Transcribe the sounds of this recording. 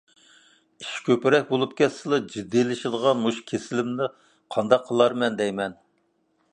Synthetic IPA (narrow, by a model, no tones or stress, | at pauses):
iʃkʲøpɪɾɛk̚ʲbolˠup̚kʲɛsːɨlˠɨd͡ʒid̪ːilɪʃɪd̪əʁɑmuʃkʲʰesɪlɪmnɪ | qʰɑnd̪ɑqʰːəlˠɑɾmɛnd̪ɛjmɛn